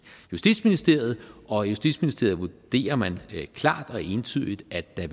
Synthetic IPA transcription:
jusd̥ḭd̥sminisd̥e̝ɐ̰ð̞̩ˠɒ̽jusd̥ḭd̥sminisd̥e̝ɐð̞̩ˠʋud̥e̝̰ːɐmænkʰlɑ̰̈ːd̥ɒ̽e̝nt͡sʰyð̰ˠid̥æd̥ːæ

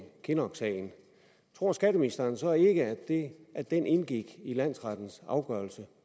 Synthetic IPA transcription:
kʰe̝nɒɡ̥sɛ̰ɪn̩ | t͡sʰʁo̝ɐ̰sɡ̥æd̥əminisd̥ɐːnsɒ̽e̝ɡ̥əæ̥eʔæd̥enʔe̝nɡ̥iɡ̥ilæn̰sʁɑd̥n̩sɑ̈ʊɡ̥œɐlsə

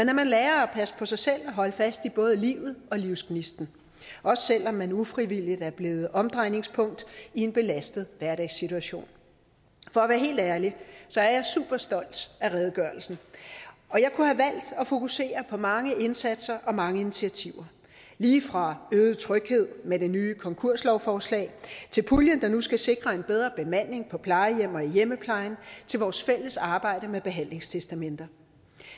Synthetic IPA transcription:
menæɐmænlɛːɐɒpʰæsə̥pʰɒ̽sɑ̈ɪsel̰ɒ̽ɦɒ̽ləfæsd̥ib̥ɔ̽ːð̞ˠəliʊð̞̩ˠɒ̽liʊskʰnisd̥n̩ | ʔɒ̽sə̥sel̰ɒ̽mːænufʁiʋil̰id̥æɐb̥le̝ːð̞̩ˠʔɒ̽md̥ʁɑ̈ɪne̝ŋspʰɔ̽ŋ̰d̥ie̝nb̥e̝læsd̥əð̩ˠʋæɐɾɛɪsit͡sʰuæɕo̝̰ːn | fɒ̽ːʋæːɐɦe̝̰ːld̥æɐlisɒ̽æɐjɑ̈ɪsṵːb̥ɐsd̥ɒ̽l̰d̥æʁɛð̞ˠəɡ̥ɶɐl̩sn̩ | ɒ̽jɑ̈ɪkʰuhæʋæl̰d̥ɒ̽fo̝kʰuse̝̰ːɐpʰɒ̽mɑ̈ŋəʔe̝nsæd̥sɐʔɒ̽mɑ̈ŋəinit͡sʰiæt͡sʰiʊɐ | liːfʁɑ̈øːð̞ˠt͡sʰʁœɡ̥he̝ð̞̰ˠmed̥e̝nyːkʰɒ̽ŋkʰu̝ɐ̰slɒʊfɒːslɛ̰ːɪt͡sʰe̝lpʰuljənd̥ɑ̈nusɡ̥æse̝ɡ̥ʁɐe̝nb̥eð̞ˠʁɐb̥e̝mæn̰ːe̝ŋpʰɒ̽pʰlɑ̈ɪəjem̰ɒ̽ijeməpʰlɑ̈ɪnt͡sʰe̝lʋɒːsfel̰əsɑ̈ːb̥ɑ̈ɪ̰ɾ̥əmeb̥e̝ɦæn̰le̝ŋst͡sʰesd̥æmend̥ɐ

